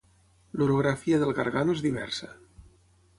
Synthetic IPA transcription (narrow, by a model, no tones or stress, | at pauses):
luɾoɣɾafiaðelˠɣaɾɣanoezðiβɛ̰ɾsa